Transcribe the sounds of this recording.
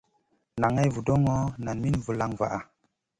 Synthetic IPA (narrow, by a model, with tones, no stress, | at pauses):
na˨ŋa˦jvu˨do˦ŋo˦na˨nmi˦nvu˨la˦ŋva̰˨ʔa˨